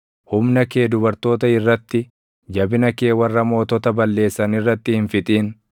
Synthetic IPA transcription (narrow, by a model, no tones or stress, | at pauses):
hʊmnɐkeːd̪ʊbɐɾt̪o̞ːt̪ɐɪrːɐt̪ːɪ | d͡ʒɐbɪnɐke̞ːwɐrːɐmo̞ːt̪ɔt̪ɐbɐlːe̞ːsːɐnɪrːɐt̪ːɪhɪnfɪt̪ʼiːn